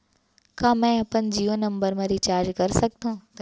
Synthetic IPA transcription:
kãːmɛ̃ɐpɐnd͡ʑiːonɐ̃mbəɾmɐɾit͡ɕaːɾd͡ʑkɐɾsɐk̚t̪ʰũt̪

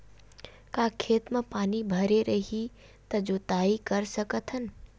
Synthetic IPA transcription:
kaːkʰeːt̪mepaːnibʱəɾeɾəɦi | t̪ɐd͡ʒoːt̪aːikəɾsəkət̪ʰɦən

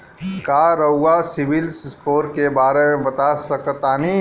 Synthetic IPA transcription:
kaːɾəwɡasɪʋɪlsskoːɾkebaːɾemẽbɐt̪asɐkt̪aːni

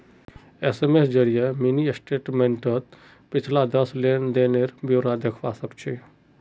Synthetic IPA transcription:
esemesd͡ʒəɾijeminiesʈeːʈmẽɳʈət̪ | pɪt͡ʃʰlad̪əsleːnd̪eːneɾbjoːɾad̪ekʰʋasəbt͡ʃʰi

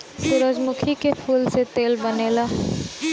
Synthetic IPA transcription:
sʊɾəd͡ʒmʊkʰikepʰuːlset̪eːlbəneːlaː

